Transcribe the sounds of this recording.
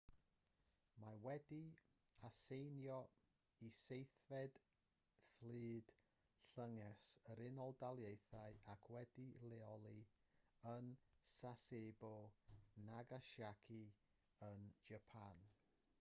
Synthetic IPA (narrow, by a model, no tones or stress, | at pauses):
mawɛdi | asejnjɔ | isejθvɛd̥ | flˠɨːd̥ | ɬəŋɛsəɾɪnɔlˠdalˠjejθaɨakʰwɛdilɛɔlˠi | ənsaseːbɔnaɡaʃjakʰi | ənd͡ʒapʰan